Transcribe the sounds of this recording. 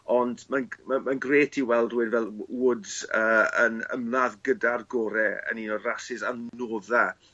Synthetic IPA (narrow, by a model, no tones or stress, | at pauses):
ɔndmanmamanɡreːtʰiwɛlˠdɨdvɛlˠudz̥əːənə̰mlaðɡədarɡɔːɾɛə̰ninɔrasɪsannoːða